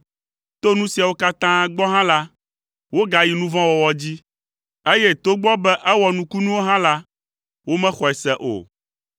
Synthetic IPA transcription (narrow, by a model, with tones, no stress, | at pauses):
t̪o˦nũ˦si˨a˨wo˦ka˦t̪ã˦ɡ͡bɔ˦ɦã˦la˦ | wo˦ɡa˨ji˨nũ˦vã˦wɔ˨wɔ˨d͡ʑi˦ | e˦je˦t̪o˦ɡ͡bɔ˦bɛ˦ʔɛ˦wɔ˨nũ˦ku˦nũ˦wo˦ɦã˦la˦ | wo˦mɛ̃˦xɔ˨ɛ˨sɛ˦ʔo̰˨